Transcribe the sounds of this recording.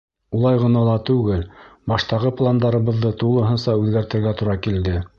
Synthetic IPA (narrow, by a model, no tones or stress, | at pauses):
ulˠɑjʁɤ̆nɑlˠɑt̪ʉɡɘlbɑʃt̪ɑʁɤplˠand̪ɑɾɤ̆βɤ̆ðːɤt̪ulˠɤ̆ɦɤ̆nsɑʉðɡæɾt̪ɘ̆ɾɡæt̪uɾɑkild̪ɘ